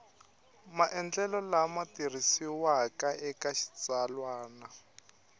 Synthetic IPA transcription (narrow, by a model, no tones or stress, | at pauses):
maʔɛnd͡ɮɛlɔlamatir̤isiwakaɛkaʃi̥t͡salwaːna